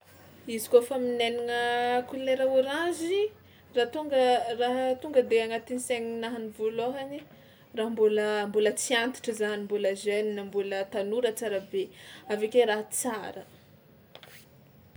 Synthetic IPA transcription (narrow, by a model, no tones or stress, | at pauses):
izi̥kofəmineniŋəkuleɾəuɾãzi | rat̪uŋɡəraɦt̪uŋɡəd̪eaŋat̪iniseŋinaɦanivoloɦani | raɦmbuləmbulət͡siant̪i̥ʈ͡ʂəzanimbuləzeninambulət̪anuɾət͡saɾəbeavekʲeɾaɦət͡saɾə